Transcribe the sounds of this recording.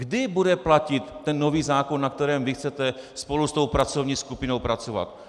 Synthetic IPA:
ɡdɪbudɛplacɪt̪ːɛnːo̞viːzaːkonːak̚t̪ɛɾɛːmvɪxt͡sɛt̪ɛspo̞lust̪o̞wpɾat͡sovɲiːskupɪno̞wpɾat͡so̞va̰t̪

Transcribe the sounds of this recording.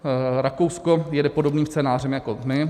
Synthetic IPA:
ɾakowsko̞jɛdɛpo̞do̞bniːmstt͡sɛːnaːrɛmjakomɪ

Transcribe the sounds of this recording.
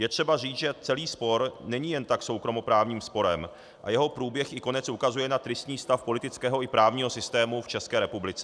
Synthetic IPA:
jɛt̪r̥ɛbariːt͡sʒɛt͡sɛliːspo̞ɾnɛɲijɛnt̪akso̞wkɾo̞mo̞pɾaːvɲiːmspo̞ɾɛm | ʔa̰jɛɦo̞pɾuːbjɛxɪko̞nɛt͡sʔukazujɛnat̪ɾɪst̪ɲiːst̪afpo̞lɪt̪ɪt͡skɛːɦoʔɪpɾaːvɲiːɦo̞sɪst̪ɛːmuft͡ʃɛskɛːɾɛpublɪt͡sɛ

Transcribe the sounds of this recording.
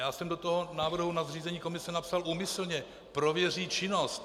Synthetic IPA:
jaːsɛmdo̞t̪oɦonaːvr̩ɦunazriːzɛɲiːko̞mɪsɛnapsaluːmɪsl̩ɲɛ | pɾo̞vjɛr̝iːt͡ʃɪno̞st̪

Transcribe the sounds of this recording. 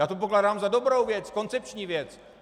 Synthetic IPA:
jaːt̪op̬oklaːdaːmzado̞bɾowvjɛt͡sko̞nt͡sɛp̚t͡ʃɲiːvjɛt͡s

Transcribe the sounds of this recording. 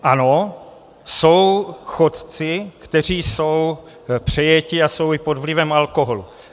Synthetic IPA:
ʔano̞ | so̞wxot̪t͡sɪkt̪ɛr̝iːso̞w | pr̝̥ɛjɛcɪaso̞wɪpod̪vlɪvɛmalko̞ɦolu

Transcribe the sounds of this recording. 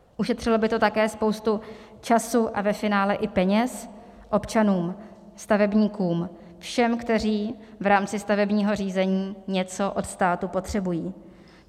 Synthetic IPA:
ʔuʃɛt̪r̝̥ɪlo̞bɪt̪o̞t̪akɛːspo̞wst̪u | t͡ʃasuʔavɛfɪnaːlɛʔɪpɛɲɛs | ʔo̞pt͡ʃanuːm | st̪avɛbɲiːkuːm | fʃɛmkt̪ɛr̝iː | vɾaːmt͡sɪst̪avɛbɲiːɦo̞r̝iːzɛɲiːɲɛt͡so̞ʔot̪st̪aːt̪upo̞t̪r̝̥ɛbujiː

